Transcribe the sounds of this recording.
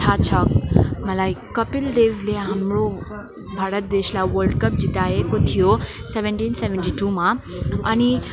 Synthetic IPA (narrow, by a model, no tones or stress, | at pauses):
t̪ʰat͡ɕʰəkmɐlaːikkɐpɪld̪eːʋleɦɐmɽo | bʱaːɾət̪̚d̪eːʃlaʋəɾlɖkəp̚d͡ʑit̪aːɦekot̪ʰijoseʋə̃ɳʈiːnseʋə̃ɳʈiʈumãɐni